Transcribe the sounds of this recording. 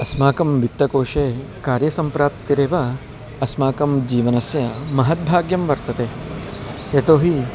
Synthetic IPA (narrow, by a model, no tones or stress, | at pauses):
ɐsmaːkɐmʋit̪ːɐkoːʂeː | kaːɾjɐsɐmpɾaːp̚t̪iɾeːʋɐ | ɐsmaːkɐmd͡ʒiːʋɐnɐsjɐmɐɦɐt̪̚bʱaːɡjɐmʋɐɾt̪ɐt̪eː | et̪oːɦi